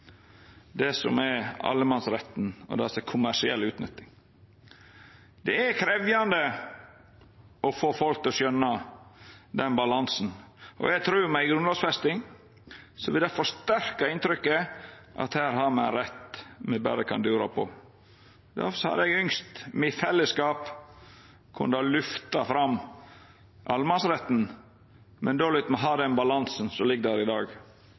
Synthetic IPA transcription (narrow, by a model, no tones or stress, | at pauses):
d̪ɛsɔ̰mɛɑ̰lːəmɑnsɾɛt̪ːn̩ɔ̰d̪ɛsəkʰʊmæʂɪɛlːʉːt̪nʏt̪ːɪŋ | d̪ɛækʰɾɛʋjɑnd̪ə | ɔfoːfɔlk̚t̪ɔsœnːɑ | d̪ɛnbɑlɑnsn̩ʔɔ̰jæt̪ʰɾʉːmæɪɡɾʉnlɑːɡsfɛst̪ɪŋ | sɔʋɪlæfɔʂt̪æɾkɑɪnt̪ɾʏkːəʔɑ̰t̪hæːɾɦɑɾmɛnɾɛt̪ːmɛbæ̰ɾəkʰɑ̰nd̪ʉːɾɑ̰pʰɔ̰ | d̪æ̰shɑ̰d̪ɛɡʏŋst̪mɪfɛlːəskɑːp | kʰʊ̰nːd̪ɑlʉft̪ɑfɾɑm | ʔɑlmɑnsɾɛt̪ːn̩ | mɛnd̪oːlɪt̪mɛɦɑːd̪ɛnbɑlɑnsn̩sɔlɪɡːd̪æɾɪd̪ɑːɡ